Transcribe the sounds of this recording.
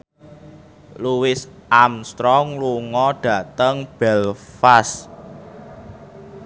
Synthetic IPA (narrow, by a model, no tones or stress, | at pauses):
luwɪsʔamst̪ɾɔŋluŋɔɖ̥ä̤t̪əŋb̥ɛlfas